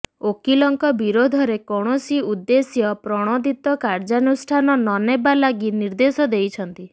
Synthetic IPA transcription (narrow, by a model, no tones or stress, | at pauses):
okilɔŋkɔbiɾod̪ʱɔɾekɔɽ̃ɔsiud̪ːesjɔpɾɔɽ̃ɔd̪it̪ɔkaɾd͡ʒanusʈʰanɔnɔnebalaɡiniɾd̪esɔd̪ejt͡ʃʰɔnt̪i